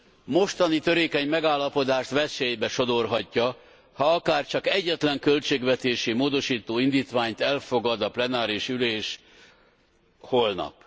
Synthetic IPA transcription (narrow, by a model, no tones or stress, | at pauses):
mo̞ʃt̪ɒnit̪øɾeːkɛɲmɛɡaːlːɒpo̞d̪aːʃt̪ʋɛsejbɛʃo̞d̪o̞rɦɒcːɒ | hɒɒkaːrt͡ʃɒkɛɟːɛt̪lɛŋkø̞lt͡ʃeːɡʋɛt̪eːʃimoːd̪o̞ʃiːt̪oːind̪iːt̪ʋaːɲt̪ɛlfo̞ɡɒd̪ɒplɛnaːɾiʃyleːʃ | ho̞lnɒ̰p